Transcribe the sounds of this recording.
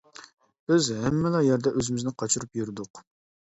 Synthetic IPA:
b̥ɪzɦɛmːɛlɑjɛɾd̪ɛʔøzɪmɪznɪqʰɑt͡ʃʰuɾupjyɾɪd̪ʊq

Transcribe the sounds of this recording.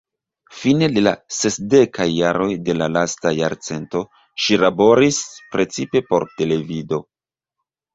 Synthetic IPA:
fine̞dela̰se̞sde̞kajːaɾo̞jde̞lalastajaɾt͡se̞nto̞ | ʃilabo̞ɾispɾe̞t͡sipe̞po̞ɾte̞le̞vido̞

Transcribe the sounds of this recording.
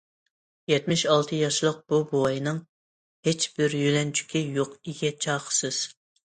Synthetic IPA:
jɛt̪mɪʃɑlˠt̪ʰɨjɑʃlˠəq̚b̥ubowɑjɨnɨŋ | het͡ʃb̥ɪɾjølɛnt͡ʃʰy̥kʲijoqiɡʲɛt͡ʃʰɑːqʰə̥sɨz̥

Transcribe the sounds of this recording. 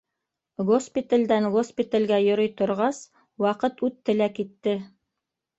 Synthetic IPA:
ɡospʲit̪alʲd̪ænɡospʲit̪alɡæjŏɾojt̪ŏɾʁɑs | wɑqɤt̪ʉt̪ːɘ̆lækit̪ːɘ

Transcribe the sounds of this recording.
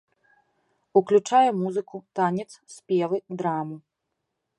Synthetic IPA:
uklʲut͡ʂajɛmuzɨkut̪anʲɛt̪ssʲpʲɛvɨd̪ɾamu

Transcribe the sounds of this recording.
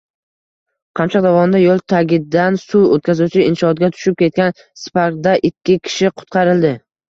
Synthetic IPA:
qʰɑmt͡ʃɑq̚d̪avɒnɪd̪ajolˠt̪ʰaɡʲɪd̪ːansuot̪̚kʲazut͡ʃʰɪɪnʃɒːt̪̚ɡʲat̪ʰʊ̥ʃɪp̚kʲe̞t̪̚kʲan | spaɾkd̪aʔɪkʲʰːɪkʲʰɪ̥ʃɪqʰʊ̥t̪qʰɑɾɪld̪ɪ

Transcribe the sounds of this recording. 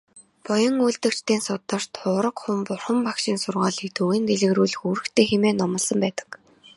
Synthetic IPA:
pɔjɞ̆ŋuːɮt̪ɘ̆kt͡ɕt̪iːnsʊt̪ə̆r̥t̪ʰʊːɾə̆qχʊmpʊrχə̆mpakʃiːnsʊrʁaːɮikt̪uɣeːnt̪eɮɘ̆ɣruːɮɘ̆xuːɾɘ̆xt̪ʰeːxemeːnɔmə̆ɮsə̆mpæːt̪ə̥̆k

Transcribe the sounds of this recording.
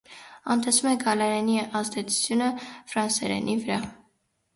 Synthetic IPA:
ɑnt̪ɛsumɛɡɑlɑɾɑniʔɑzd̪ɛt͡sʰu̥t͡sʰjunəfɾɑnsɛɾɛ̰nʔivəɾɑ

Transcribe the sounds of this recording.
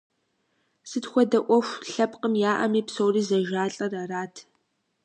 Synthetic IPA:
sɨtxʷɔdɐʔʷɔxʷɬɐpqəmjaːʔɐ̰miːpsowriːzɐʒaːɬʼɐraraːtʰ

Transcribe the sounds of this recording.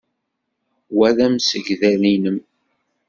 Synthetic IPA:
wæðæmsəʝðælinəm

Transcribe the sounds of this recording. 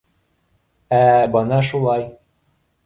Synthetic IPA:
æbɤnɑʃulˠɑj

